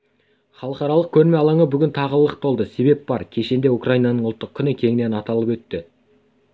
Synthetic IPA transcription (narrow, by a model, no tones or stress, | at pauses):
χɑlˠəqɑɾɑlˠəq̚kʲʰɵɾme̞ɑlˠɑɴəbʏɡʲɪnt̪ʰɑʁəlˠəəq̚t̪ʰo̞lˠd̪əse̞be̞p̚b̥ɑɾkʲʰe̞ʃe̞nd̪e̞ukrajinɑnəɴʊlˠt̪ːəq̚kʲʰʏnəkʲʰe̞ŋɪne̞nɑt̪ɑlˠəpwɵt̪ːɪ